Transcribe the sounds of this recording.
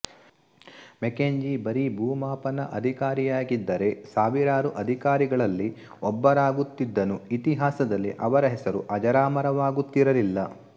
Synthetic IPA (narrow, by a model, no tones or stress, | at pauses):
mekeɲd͡ʒibɐɾibʱuːmaːpɐnɐʔɐd̪ʱikaːɾijaːɡid̪ːɐɾe̞saːʋiɾaːɾuʔɐd̪ʱikaːɾiɡɐɭɐlːi | ɔbːɐɾaːɡut̪ːid̪ːɐnuit̪iɦaːsɐd̪ɐlːḭʔɐʋɐɾɐɦɛsɐɾuʔɐd͡ʒɐɾaːmɐɾɐʋaːɡut̪ːiɾɐlilːɐ